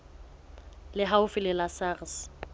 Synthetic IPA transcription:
lɪɦaʊfɪlɪlasaːrs

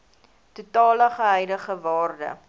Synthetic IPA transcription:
tutɑːləχəɦɛjdəχəvɑːrdə̰

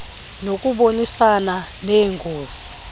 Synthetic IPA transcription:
nokʼuɓonisana | nɛːŋɡʱoːz̥i̥

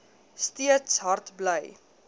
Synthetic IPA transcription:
stiətsɦɐrtbləj

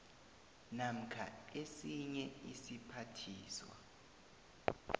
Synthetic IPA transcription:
nam̩kʰa̰esiɲɛisipʰatʰiːswa̰

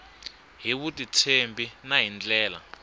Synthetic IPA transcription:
ɦiβutʼitʰembinaɦind͡ɮɛːla̰

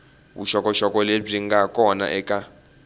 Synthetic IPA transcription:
wṵʃɔkʼɔʃɔkʼɔleb͡ʐiŋɡakʼɔna̰ʔɛkʼa

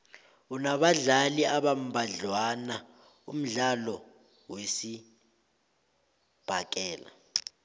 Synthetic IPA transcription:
unaɓaɮaliaɓam̩bʱaɮwana | ṵm̩ɮalɔ | wesi | b̥ʱak̬ʼɛːla̰

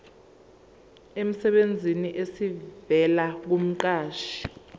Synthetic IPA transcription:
em̩sɛɓend͡zʱiniʔesivɛlak̬um̩ǃaːʃi̥

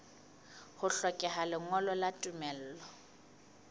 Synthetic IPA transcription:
hʊɬɔkʼɛɦalɪŋɔlɔlatʼumɛl̩ːlɔ

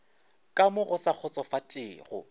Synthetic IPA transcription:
kʼamʊɣʊsak͡xʰʊt͡sʼɔfatʼɪːɣʊ̰

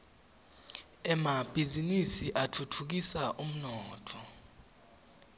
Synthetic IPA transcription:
ɛmab̥ʱizinisiʔatʰutʰuk̬isaʔum̩nɔːtʰɔ

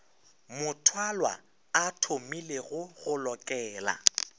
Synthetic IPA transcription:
mʊtʰwalwa̰ | atʰomileɣʊɣʊlɔkʼɛːla̰

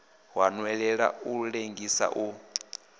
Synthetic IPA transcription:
wanwɛɺɛɺa̰uɺeŋɡisa̰ʔu

